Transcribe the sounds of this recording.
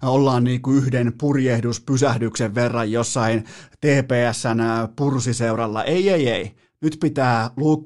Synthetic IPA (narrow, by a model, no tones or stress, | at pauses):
olːɑːnniːkuyhdenpurjehduspysæhdykseʋːerːɑjjosːɑint̪eːpeːæsːænpursiseuɾɑlːɑ̰ʔeiejei | nyt̪pit̪æːluːkː